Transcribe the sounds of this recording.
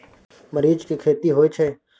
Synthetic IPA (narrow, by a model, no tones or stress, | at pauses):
məɾiːd͡ʒkikʰeːt̪iɦoːjt͡ʃʰeː